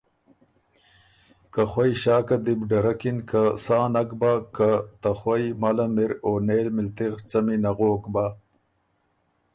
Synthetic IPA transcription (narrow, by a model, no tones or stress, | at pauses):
kaxwajɕaːkad̪ibɖɐɾakinkasaːnɐkbakat̪axwajmɐlɐmiɾoːneːlmilt̪iɣt͡sɐminɐɣoːkba